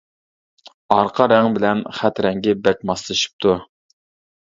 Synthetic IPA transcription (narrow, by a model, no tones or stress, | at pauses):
ɑɾqʰɑɾɛŋbɪlɛnχæt̪ɾɛŋɡʲɛbɛk̚ʲmɑslˠɨʃi̥p̚t̪ʰu